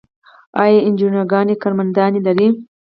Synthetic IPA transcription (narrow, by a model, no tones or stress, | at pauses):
ɑjɑɪnd͡ʒinaɡɑːnikɑɾmand̪ɑːnilaɾi